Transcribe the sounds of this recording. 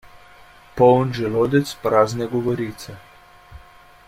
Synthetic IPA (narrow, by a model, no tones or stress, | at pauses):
pɔwnʒɛloːd̪ɛt̪spɾaːznɛɡɔʋɔɾiːt̪sɛ